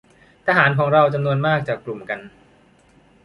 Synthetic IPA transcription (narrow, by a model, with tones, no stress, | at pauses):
t̪ʰaː˧ɦaː˩˦nkʰɔː˩˦ŋɾa˧wt͡ɕa˧mnu˧ənmaː˥˩k̚t͡ɕaː˨˩kːlu˨˩mka˧n